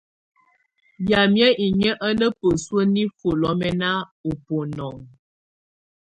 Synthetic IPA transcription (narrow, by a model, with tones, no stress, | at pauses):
ja˨mjə˦ʔi˨ɲə˦ʔə˦nə˦pə˨swə˦ni˦fo˨lɔ˨˦mɛ˦na˦o˨po˨nɔ˨ŋ